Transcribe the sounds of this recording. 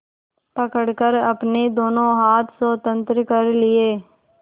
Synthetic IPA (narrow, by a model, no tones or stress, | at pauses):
pəkəɽkəɾɐpned̪oːnõɦaːt̪ʰswoːt̪ə̃nt̪ɾəkəɾlɪeː